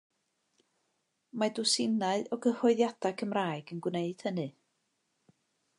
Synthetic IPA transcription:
madʊsɪnaɨɔɡəhɔɨðjad̥akʰəmraːɨɡənɡwneɨd̥hənɨ

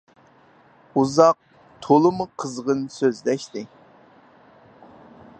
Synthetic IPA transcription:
uzɑq̚ | t̪ʰolˠɨmuqʰəzʁənsøzlɛʃt̪ɪ

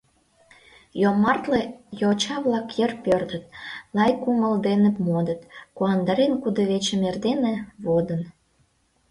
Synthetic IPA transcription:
jomɑrt̪lejot͡ɕɑβlɑkjerpørd̪ət̪̚lɑjkuməld̪enəpmod̪ət̪kuɑnd̪ɑɾenkud̪əβet͡ɕemerd̪enĕβod̪ən

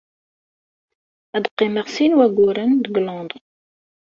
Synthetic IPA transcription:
æd̪qːiməʁsinwæɡuɾənd̪ɡlɑ̃d̪

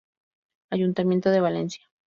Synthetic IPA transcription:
aʝunt̪amje̞nt̪oðeβale̞nsja

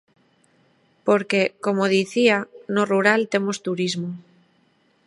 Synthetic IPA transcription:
po̞ɾke̞ko̞moðiθianoruɾalt̪e̞mo̞st̪uɾizmo

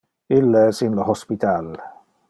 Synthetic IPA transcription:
ɪlːəsinləhɔspit̪ʰal

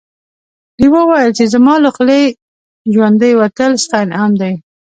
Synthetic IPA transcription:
d̪iwəwajəlt͡ʃezamɑlʊxle | ʒwand̪əjwat̪əlst̪ajnamd̪aj

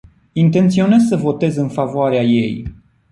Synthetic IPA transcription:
int̪e̞nt̪sio̞ne̞zsəvo̞t̪e̞zɨnfavoaɾeaje̞̰j

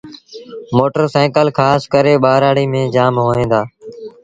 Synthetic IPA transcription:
moːʈəɾsaːkəlkʰaːskəɾeːɓaːɾaːɽiːmẽːd͡ʒaːmɦoːẽːd̪aː

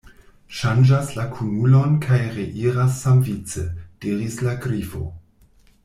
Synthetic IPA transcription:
ʃand͡ʒaslakʰunulo̞nkʰajɾeʔiɾasːamvit͡səd̥iɾislaɡɾifo̞̰

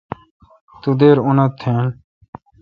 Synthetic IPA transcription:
t̪ud̪eːɾunɐt̪ʰːeːn

